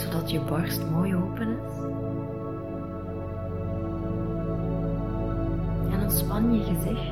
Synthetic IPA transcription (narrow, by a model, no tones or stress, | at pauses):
z̥odɑtjəbɑrstmoːjoːpənɪs | ɛnənspɑnjəɣəzɪx